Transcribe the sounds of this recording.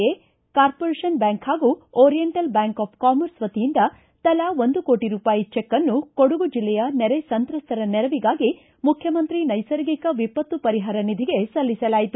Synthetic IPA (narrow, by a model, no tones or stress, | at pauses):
e | kaːɾpoɾeːʃɐnbjaːŋkhaːɡuːɔːɾijeɳʈɐlbjaːŋkaːp̚ʰkaːmɐɾsʋɐt̪ijind̪ɐ | t̪ɐlaʋond̪uko̞ːʈiɾuːpaːjit͡ʃɛkːɐnːukoɽuɡud͡ʒilːɛjɐnɛɾesɐnt̪ɾɐst̪ɐɾɐnɛɾɐʋiɡaːɡi | mukʰjɐmɐnt̪ɾinɐjsɐɾɡikɐʋipɐt̪ːupɐɾiɦaːɾɐnid̪ʱiɡe̞sɐlːisɐlaːjit̪u